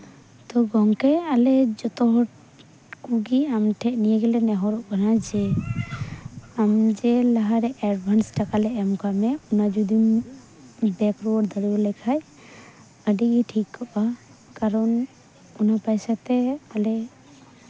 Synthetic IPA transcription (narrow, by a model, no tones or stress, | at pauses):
t̪ɔɡɔŋkɛalɛd͡ʒɔt̪ɔɦɔʈ | kuɡiamʈʰɛʔnijɛɡɛlɛnɛɦɔɾɔʔkanad͡ʒɛ | amd͡ʒɛlaɦaɾɛʔɛɾbʱansʈakalɛʔɛmkamɛunad͡ʒud̪im | bɛkɾuwɔɾd̪əɽiɔlɛkʰaj | əɖiɡiʈʰikʰːɔʔa | kaɾɔn | unapajsat̪ɛalɛ